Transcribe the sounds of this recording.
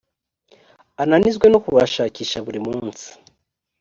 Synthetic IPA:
ananizɡwe̞nokuβaʃaːciːʃaβuɾimuːnsi̥

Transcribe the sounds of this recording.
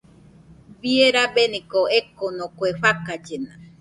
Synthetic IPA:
βieɾabenĩkoekonõkweɸakad͡ʒenã̰

